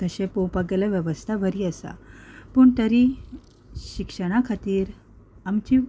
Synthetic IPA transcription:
t̪əɕẽpõwpaɡeljaʋjəʋəst̪ʰaʋəɾiːəsa̰pəːɳt̪əɾi | ɕikʂəɽ̃akʰat̪iːɾ | amt͡ɕi

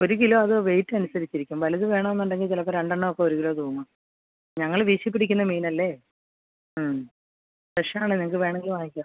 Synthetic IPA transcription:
o̞ɾuɣilo̞ːɐðɨʋe̞jtːɨɐnusɐɾit͡ɕːiɾikʲːumʋɐlɐðɨʋe̞ːɳɐmenːuɳɖe̞ŋɡilt͡ɕilɐp̬ːoɾeɳɖɐɳːɐokːeoɾuɣilo̞ːt̪uːmːa | ɲɐŋːɐɭʋiːʂjɐp̬ːiɽikʲːunːɐmiːnɐlːe̞ | m | seʂɐmaːɳɨɲɐŋɐkːɨʋe̞ːɳɐŋɡilʋaːjikʲːa

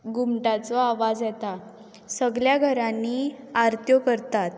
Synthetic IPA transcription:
ɡumʈat͡sɔaʋad͡zjɛt̪a | səɡljaɡʱəɾanːi | aɾt̪jɔkəɾt̪at̪

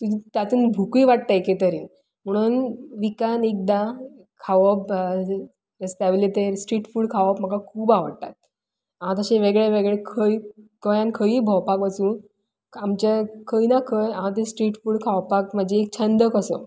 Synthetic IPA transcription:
t̪ud͡ʑt̪jat̪uːnbʱukiʋaʈ̚t̪aket̪əɾiːn | m̤əɽ̃uːnʋikanek̚d̪a | kʰaʋɔp | ɾest̪aʋlet̪eɾsʈɾiːʈfuːɽkʰaʋapm̤əkakʰuːbaʋəɽt̪a̰t̪̚ | aɦãt̪əɕeʋeɡɭeʋeɡɭekʰəikəjãnkʰəibʱɔwpakʋəsũːn | amt͡ɕakʰəinakʰəjaɦãt̪̬esʈɾiːʈfuːɽkʰawpak̚məd͡ʑeːk̚t͡ɕʰənd̪əkəsə̰

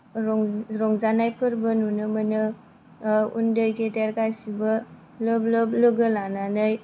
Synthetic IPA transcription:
ɾɔŋzanajpʰɯɾbɐnunɯmɐnɯ | ṵndɯjɡedeɾɡajsibɐ | lɯblɯblɯɡɯlananɯj

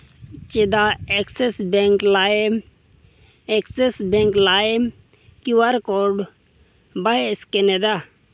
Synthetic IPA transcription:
t͡ʃed̪aeksesbeŋklam | eksesbeŋklaem | kiwaɾkoɖ | baɦeskened̪a

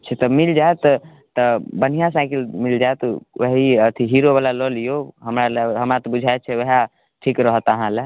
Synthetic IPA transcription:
t͡ʃʰɛt̪ɔmild͡ʒaet̪ | t̪ɔbən̤ijãsãkilmild͡ʒaet̪wəɦiət̪ʰiɦiɾoβalalɔlijoɦəmɾaleɦəmɾat̪ɔbud͡ʒʱaet̪̚t͡ʃʰɛʋəɦa | ʈʰikɾəɦət̪əɦãle

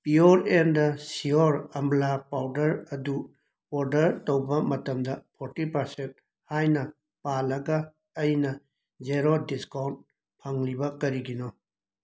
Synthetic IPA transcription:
pioɾendɐsioɾɐmblapawdɐɾɐdu | oɾdɐɾtowbɐmɐtɐmdɐpʰoɾtipɐɾsent̚ | hajnɐ | palɐɡɐː | jnɐ | d͡ʒeɾodiskawnt̚ | pʰaŋlibɐkɐɾiɡinɔ

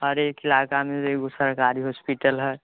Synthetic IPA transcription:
ɦəɾeːkɪlaːkamẽeɡosəɾkaːɾiɦospiʈəlɦɛː

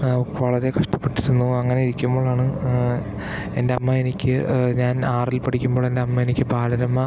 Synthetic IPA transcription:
ʋɐɭɐɾe̞kɐʂʈɐ̥pːe̞ʈːiɾunːuɐŋːɐne̞iɾikʲːumbo̞ːɭaːɳɨ | e̞nde̞ɐmːɐe̞nikʲːɨɲaːnaːrilpɐʈʰikʲːumbo̞ːɭe̞nde̞ɐmːɐe̞nikʲːɨbʱaːlɐɾɐmːɐ

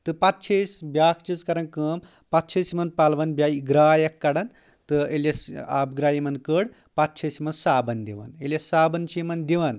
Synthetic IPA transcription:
t̪ɨpɐt̪̚t͡ʃʰesʲbʲjaːkʰt͡ʃit͡skɐɾɐnkəːm | pɐt̪̚t͡ʃʰɐsmɐnpalʋɐnbʲaiɡɾaːjɐkːɐɽɐn | t̪ɨeljɐsa̰bɡɾaːjimɐnkəɽ | pat̪̚t͡ʃʰɐsimɐnsaːbɐnd̪iʋɐ̰nelʲjɐsaːbɐnt͡ʃʰimɐnd̪iʋɐn

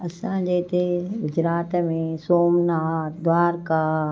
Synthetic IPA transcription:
ɐsãːd͡ʒeːt̪eɡʊd͡ʒɾaːt̪mẽsoːmnaːd̪waːɾka

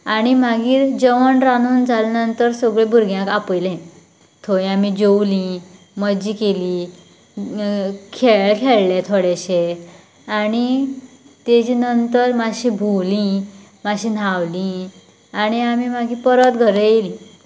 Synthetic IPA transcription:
añimaɡiːɾd͡ʑəʋəɳɾanuːnd͡zalanənt̪əɾsɔɡɭebʱuɾɡjãkapəjlɛ̃ | t̪ʰoĩamid͡ʑowlĩ | məd͡ʑikeli | kʰɛkʰeɭlɛ̃t̪ʰoɽɛɕe | ani | t̪ed͡ʑiːnənt̪əɾmaɕĩbʱuwlĩ | maɕĩːnawlĩ | añiamimaɡiːpəɾət̪ɡʱəɾejelĩ

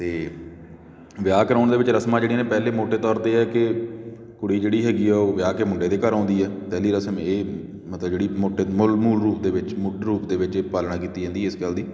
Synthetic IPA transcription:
t̪eː | ʋɪjaːkəɾãːɳd̪eːʋɪt͡ʃɾəsmãːd͡ʒeːɽiːneːpɛːleːmoːʈeːt̪ɔːɾt̪eːɛːkɪ | kʊɽiːd͡ʒeːɽiːɦɛːɡiːɛːoːʋɪjaːkeːmʊɳɖeːd̪eːkəɾãːnd̪iːɛːpɛːliːɾəsəmeː | mət̪ləbd͡ʒeːɽiːmoːʈeːmʊlmuːlɾuːpd̪eːʋɪt͡ʃmʊʈɾuːpd̪eːʋɪt͡ʃepaːlɽãːkiːt̪iːd͡ʒãːnd̪iːɛɪskəːld̪iː

